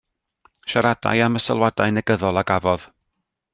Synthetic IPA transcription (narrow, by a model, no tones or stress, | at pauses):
ʃaɾad̥a̰jaməsə̰lˠwadajnɛɡəðɔlˠaɡavɔð̥